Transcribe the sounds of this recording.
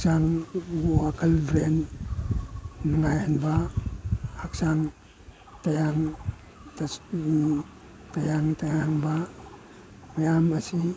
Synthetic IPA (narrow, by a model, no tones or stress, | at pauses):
sanoakalbɾen | naŋajanbaː | ksan | tajaŋ | t | tajaŋtajaŋba | mejamasi